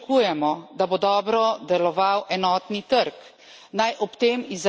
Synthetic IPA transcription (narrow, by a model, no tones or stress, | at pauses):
kujɛmɔd̪abod̪ɔːbɾɔd̪ɛlɔʋawʔɛnɔːt̪nit̪əɾk | najʔɔpt̪eːmiz